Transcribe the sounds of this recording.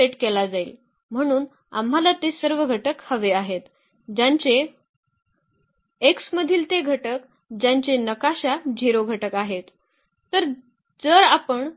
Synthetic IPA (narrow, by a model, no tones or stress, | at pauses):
eʈkelad͡zaḭːl | m̤əɽ̃uːn | a̰mɦalat̪esəɾʋəɡʱəʈəkhəʋeaɦet̪ | d͡ʑaɲt͡ɕe | ksməd̪ʱiːlt̪eɡʱəʈək | d͡ʑaɲt͡ɕenəkaɕad͡ʑʱiɾoɡʱəʈəkaɦet̪ː | əɾ | d͡zəɾapəɳ